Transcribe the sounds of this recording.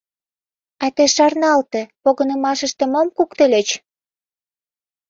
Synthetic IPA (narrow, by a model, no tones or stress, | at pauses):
ɑt̪eʃɑrnɑlt̪ĕpoɣənə̆mɑʃə̆ʃt̪ĕmomkukt̪əlʲet͡ɕ